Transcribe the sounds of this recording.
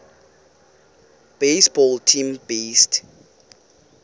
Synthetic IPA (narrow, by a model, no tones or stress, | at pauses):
b̥esbɔltʰĩmbest